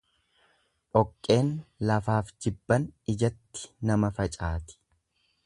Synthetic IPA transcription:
ʔɔkʼːe̞ːnlɐfaːfd͡ʒɪbːɐnɪd͡ʒɐt̪ːɪ̥nɐmɐfɐt͡ʃʼaːt̪ɪ̥

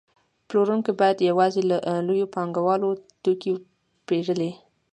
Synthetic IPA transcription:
ploɾuŋkobɑjad̪jawɑzelaʔlojopɑŋɡawɑlot̪uki | peʐəle

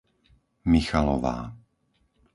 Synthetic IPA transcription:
mixalɔ̰ʋa̰ː

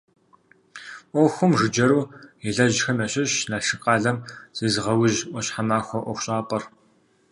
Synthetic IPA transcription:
ʔʷɔːxʷʊmʐɨd͡ʒɐɾuːɛɮɐʑxɨmɐɕʼɪɕnɐɬɨqʼaːɮɐmz̥eːzʁɐwɪʑʔʷɔɕħamaːxʷɔʔʷɔxʷɕʼaːpʼɐr

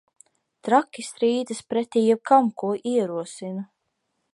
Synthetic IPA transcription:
t̪ɾakʲisɾiːd̪ɨspɾɛt̪ʲiːjɛb̚kamkuɔʔiɛɾuɔsina

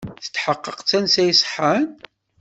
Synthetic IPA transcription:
θə̥t͡sːħəqːəqt͡sːænsæjsˤħan

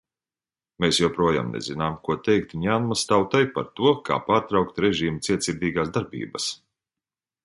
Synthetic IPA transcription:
meːsjuwpɾuɔja̰ːmnɛ̰zinaːmkuɔt̪ɛjk̚t̪ɲʲaːnmast̪awt̪ajpa̰ɾt̪uɔkʰa̰ːpaːɾt̪ɾawk̚t̪ɾɛʒiːmut̪siɛt̪sʲiɾd̪ʲiːɡaːzd̪aɾbḭːbɐs

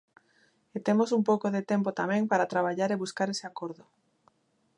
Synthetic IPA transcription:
et̪emosumpowkoðet̪empot̪amẽŋpaɾat̪ɾaβ̞aʎaɾeβuskaɾeseakoɾðo

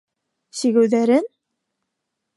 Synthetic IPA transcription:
ɕĭɡɘ̆wðæɾɘn

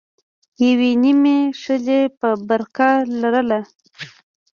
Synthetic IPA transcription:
jawenimeʂəlepəbaɾkalaɾəla

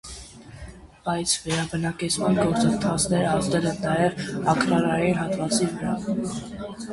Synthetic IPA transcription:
b̥ɑjt͡sʰvɛɾɑbənɑkɛt͡sʰmɑnɡɔɾt͡sənt̪ʰɑt͡sʰnɛɾəɑzd̪ɛlɛnnɑjɛvɑkʰɾɑɾɑjinɦɑt̪vɑt͡sivəɾɑ

